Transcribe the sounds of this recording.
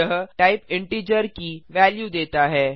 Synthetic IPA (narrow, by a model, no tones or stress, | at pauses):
əɦʈaɪpɪ̃ɳʈiːd͡ʒəɾkiʋɛːljud̪eːt̪aɦɛː